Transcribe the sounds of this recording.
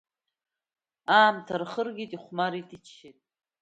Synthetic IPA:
aːmtʰarχərɡʲitʼiχʷmaɾitʼit͡ʃʰːetʼ

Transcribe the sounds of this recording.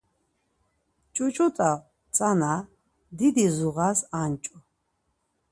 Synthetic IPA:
t͡ʃʼut͡ʃʼut̪ʼa | t͡sʼana | d̪id̪izuʁasant͡ʃʼu

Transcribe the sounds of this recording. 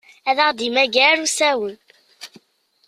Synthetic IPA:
æðaʁd̪imæɡæɾusæwən

